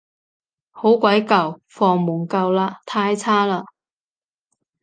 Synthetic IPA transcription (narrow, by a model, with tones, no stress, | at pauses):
ho˨˥wkʷɐ˨˥jkɐ˨wfɔː˧ŋmuː˨˩ŋkɐ˧wlaː˧t̪ʰaː˧jt͡sʰaː˥laː˧